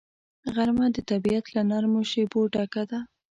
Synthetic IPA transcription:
ɣaɾmad̪ət̪abijat̪lanaɾmoʃeboʈɑkad̪a

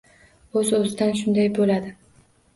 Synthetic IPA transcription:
ɵzɵzɪd̪anʃ̬ʊnd̪ajbolad̪ɪ

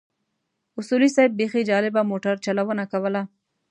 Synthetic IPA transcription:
ʊsulisɑjb̚bexid͡ʒɑlɪbamoʈaɾt͡ʃalawənakawəla

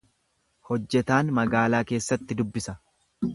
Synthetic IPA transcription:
hɔd͡ʒːɛt̪aːnmɐɡaːlaːke̞ːsːɐt̪ːɪd̪ʊbːɪsɐ

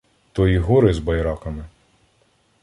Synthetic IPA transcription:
t̪ɔjiɦɔɾɪzbɐjɾɑkɐmɪ

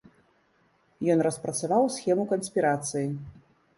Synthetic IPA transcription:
jɔnrɐspɾɐt̪savawsʲxʲɛmukɐnsʲpʲiɾat̪sɨji

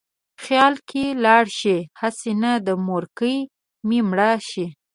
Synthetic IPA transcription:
xjɑlkelɑɽʃihasenad̪əmoɾkəj | mimɽaʃi

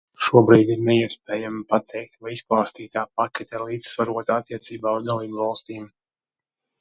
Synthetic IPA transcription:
ʃuɔbɾiːd̪iɾnɛiɛspɛːjampat̪ʰɛjk̚t̪vajisplˠaːst̪iːt̪aːp̚akʲɛt̪ʲɛlˠiːd̪zsvaɾuɔt̪aat̪ːiɛt̪siːbaːuzd̪alˠiːbvɑlˠst̪iːm

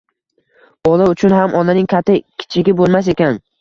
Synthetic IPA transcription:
b̥ɒlˠaʊt͡ʃʰʊnɦamʔɒnanɪŋkʲʰat̪ʰːɪkʲʰɪ̥t͡ʃʰɪɡʲɪbolˠmas̬ekʲan

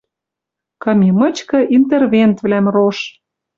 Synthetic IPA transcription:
kɤ̆mʲimɤ̆t͡ɕkɤ̆ʔint̪ervʲent̪βlæmroʃ

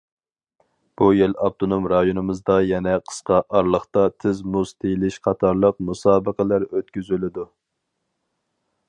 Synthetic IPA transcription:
b̥ujelɑb̚t̪ʰonomɾɑjonɨmɨzd̪ɑjɛnɛqʰə̥sqɑʔɑɾlˠəχt̪ɑt̪ʰɪzmuzt̪ʰejlɪʃqʰɑt̪ʰɑɾlˠəqmusɑːbəqəlˠæɾøt̪kʲyzylɪd̪u

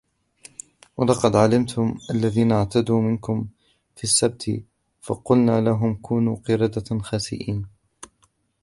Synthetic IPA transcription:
wʔalɑqɑd̪ʕalɪmt̪ʰʊmʔalːaðiːnaʕt̪ad̪uːmɪnkʊm | fiːsːab̚t̪ʰ | fɑ̰qʊlnaːlaɦʊmkuːnuːqɨɾɑd̪axaːsɪ̰ʔiːn

